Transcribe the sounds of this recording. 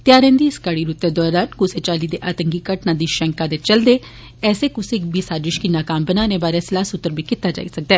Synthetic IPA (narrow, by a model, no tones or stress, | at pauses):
t̪ɪaːɾɛ̃ːnd̪iːɪskaɽiːɾʊt̪ːeːd̪ɔːɾaːnkʊseːt͡ʃaːliːd̪eːʔaːt̪əŋɡiːkəʈnãːd̪iːʃɛ̃ŋkaːd̪eːt͡ʃəld̪eː | ɛːseːkʊsikbiːsaːd͡ʒɪʃkiːnaːkaːmbənaːneːbaːɾeːsɪlaːsʊt̪ːəɾbiːkɪt̪ːaːd͡ʒa̰ːḭːsək̚d̪ɛː